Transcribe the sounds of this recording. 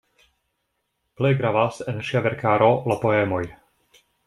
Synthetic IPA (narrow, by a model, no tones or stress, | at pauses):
plejɡɾavasenʃiaveɾkʰaːɾo̞lapo̞emo̞j